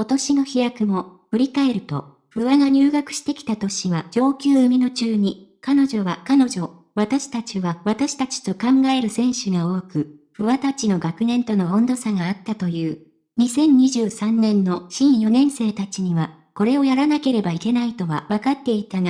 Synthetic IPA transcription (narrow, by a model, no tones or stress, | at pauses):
ko̞t̪o̞ɕino̞çijakɯ̟mo̞ɸɯ̟ɾʲikae̞ɾɯ̟t̪o̞̰ | ɸɯ̟βaɡaɲʲɨːɡakɯ̟̥ɕi̥t̪e̞kʲi̥t̪at̪o̞ɕiβad͡ʑo̞ːkʲɨːɯmʲino̞t͡ɕɨːɲ̟ikano̞ʑo̞βakano̞ʑo̞ | βat̪aɕi̥t̪at͡ɕiβaβat̪aɕi̥t̪at͡ɕi̥t̪o̞kãŋɡae̞ɾɯ̟sẽ̞ɰ̃ɕɨɡao̞ːkɯ̟ɸɯ̟βat̪at͡ɕino̞ɡakɯ̟nẽ̞nt̪o̞no̞õnd̪o̞saɡaːt̪ːat̪o̞jɯ̟ː | ɲ̟isẽ̞ɲ̟ɲːiʑɨːsãnːẽ̞nːo̞ɕĩɰ̃jo̞nẽ̞ɰ̃se̞ːt̪at͡ɕiɲ̟iβa | ko̞ɾe̞o̞jaɾanake̞ɾe̞baike̞nait̪o̞βa̰βakat̪ːe̞it̪aŋa